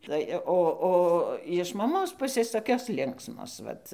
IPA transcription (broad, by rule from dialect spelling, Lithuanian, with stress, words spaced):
ˈtɐɪ oː ˈoː jɪʃ mɐˈmoːs ˈpʊsʲeːs toːˈkʲoːs ˈlʲɪŋksmoːs ˈʋɐt